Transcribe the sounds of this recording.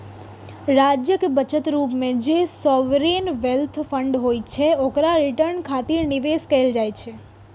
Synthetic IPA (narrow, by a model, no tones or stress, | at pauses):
ɾad͡ʒjəkebət͡ʃət̪ɾupmẽd͡ʒesɔʋɾinʋelt̪ʰfəɳɖɦojt͡ʃʰeokɾaɾiʈəɾnkʰat̪iɾniʋeskəeld͡ʒajt͡ʃʰe